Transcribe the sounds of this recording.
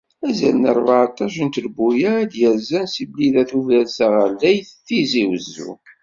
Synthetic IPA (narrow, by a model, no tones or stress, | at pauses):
mæzæ̰lnəɾˤvʕat̪ˤɑʃənt̪əlbujæd̪jæzænsibliðæθuvælsəʁəlːæjθθiziwəzːṵ